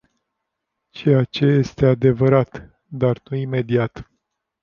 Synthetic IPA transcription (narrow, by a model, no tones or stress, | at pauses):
t͡ʃe̞jat͡ʃe̞je̞st̪e̞ad̪e̞vəɾat̪ | d̪arnuime̞d̪iat̪